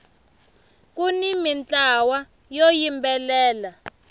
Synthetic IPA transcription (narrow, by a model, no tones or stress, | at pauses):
k̬unimint͡ɬʼawa | jojimbɛlɛːla